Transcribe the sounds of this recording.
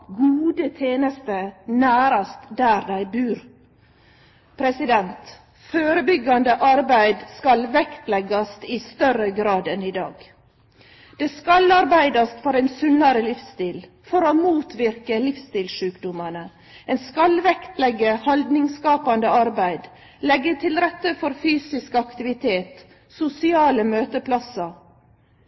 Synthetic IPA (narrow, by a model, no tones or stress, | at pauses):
ɡuːd̪ət̪ʰeːnəst̪ənæːɾɑst̪d̪æːɾd̪æɪbʉːɾ | pʰɾɛsɪd̪ɛnt̪ | føːɾəbʏɡɑnd̪əʔɑɾbæɪd̪skɑlʋɛkt̪lɛɡɑst̪ɪst̪œɾəɡɾɑːd̪ɛnɪd̪ɑːɡ̥ | d̪̥eːskɑlɑɾbæɪd̪ɑst̪fɔɾæɪnsʉnːɑɾəlɪfst̪iːl | fɔɾoːmuːt̪ʋɪɾkəlɪfst̪iːlʃʉːkd̪ʊmənə | ɛːnskɑlʋɛkt̪lɛɡːəhɑld̪nɪŋskɑːpɑnd̪əɑɾbæɪd̪ | lɛɡːət̪ʰɪlɾɛt̪ːəfɔɾfyːsɪskɑkt̪ɪʋɪt̪ʰeːt̪ | sʊsɪɑːləmøːt̪əpʰlɑsɑ